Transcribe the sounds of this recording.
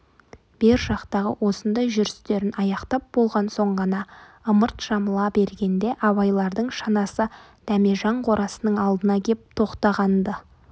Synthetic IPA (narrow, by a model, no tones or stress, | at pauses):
b̥eɾʒɑqt̪ɑʁə̰wʔo̞sənd̪ɑjʒʏɾɪst̪e̞ɾɪnɑjɑqt̪ɑp̚b̥o̞lˠʁɑnso̞ɴʁɑnɑ | əməɾt̪ʒ̥ɑməlˠɑbe̞ɾɡʲe̞nd̪e̞ʔɑbɑjlˠɑɾd̪əɴʃɑnɑsə | d̪̥æmeʒɑɴqʰo̞ɾʔɑsənəɴɑlˠd̪ənɑkʲʰe̞p̚t̪ʰo̞qt̪ɑʁɑnd̪ə